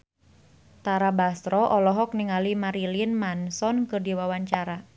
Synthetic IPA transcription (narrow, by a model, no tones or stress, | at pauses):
t̪aɾabast̪ɾɔʔɔlɔɦɔk̚niŋalimaɾilinmansɔnkɨrdiwawaɲt͡ʃaɾa